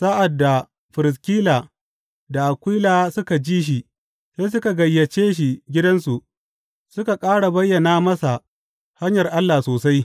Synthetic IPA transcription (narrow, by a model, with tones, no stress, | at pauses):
sa˦ʔa˨dːa˨ | ɸɪ˨ɾɪ˨s̬kʲiː˦laː˨ | da˨ʔa˨kʷiː˦laː˨sʊ˦ka˨d͡ʒiː˦ʃ̬i˨ | se˦s̬ʊ˦ka˨ɡɐ˨jːɐ˨t͡ʃeː˦ʃ̬i˨ɡʲɪ˦dɐ˦nsu˨ʔ | sʊ˦ka˨kʼaː˦ɽa˨bɐ˦jːɐ˨naː˦mɐ˦sa˨ | ha˦ɲjɐ˨rʔa˦lːaː˨soː˨sa˦j